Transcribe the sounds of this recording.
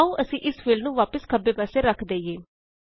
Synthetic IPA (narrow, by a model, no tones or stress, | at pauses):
ũːʔəsĩːʔɪsfɪlɖnũːʋaːpəskʰəbeːpaːseːɾəkʰd̪eːijeː